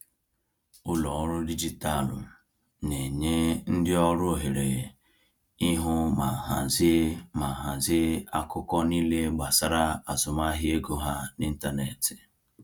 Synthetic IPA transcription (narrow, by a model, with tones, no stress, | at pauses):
ʊ˦lɔ˨ɔ˦ɾʊ˦di˦d͡ʒi˦ta˦˨lʊ̰˨ | ne˨ɲe˦n̩˦dɪ˦ɔ˦ɾʊ˦o˦˨ɦe˨ɾe˨ | i˦ɦʊ˦ma˨ɦa˨zɪ˦ma˨ɦa˨zɪ˦a˦kʊ˦kɔ˦ni˦le˦ɡ͡ba˨sa˦ɾa˦a˨zʊ˨ma˦ɦɪ˦e˦ɡo˦ɦa˦ni˦n̩˦ta˦ne˨tɪ̥˨